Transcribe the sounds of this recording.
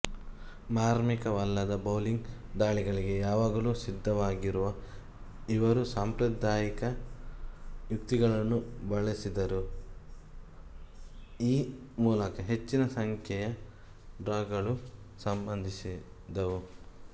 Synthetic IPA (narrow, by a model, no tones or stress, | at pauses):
maːɾmikɐʋɐlːɐd̪ɐbɐwliŋɡd̪aːɭiɡɐɭiɡe̞jaːʋaːɡɐluːsid̪ʱːɐʋaːɡiɾuʋɐ | iʋɐɾusaːmpɾɐd̪aːjikɐ | jukt̪iɡɐɭɐnːubɐɭesid̪ɐɾu | iː | muːlɐkɐɦe̞t͡ʃːinɐsɐŋkʰjɛjɐ | ɖɾaːɡɐɭu | sɐmbɐnd̪ʱisi | d̪ɐʋu